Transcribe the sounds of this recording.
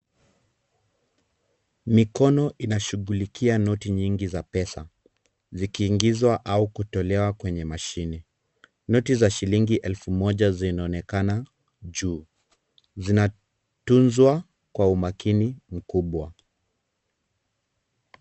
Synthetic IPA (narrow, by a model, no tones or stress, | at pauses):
mikɔnɔʔinaʃuɣulikʰianɔtiɲiŋɡizapɛsa | zikiːŋɡizwaʔaukutɔlɛwakwɛɲɛmaʃini | nɔtizaʃiliŋɡiʔɛlfumɔʄazinaɔnɛkana | ʄuː | zina | tunzwa | kwaumakinim̩kuɓwa